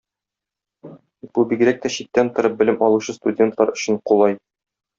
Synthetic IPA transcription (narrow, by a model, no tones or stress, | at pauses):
b̥ubiɡɾæk̚t̪æɕit̪ːænt̪ŏɾɤp̚bɘ̆lɘmɒlˠuɕɤst̪udʲe̞nt̪lˠɑɾɵ̆ɕɘ̆ɴqulˠɑj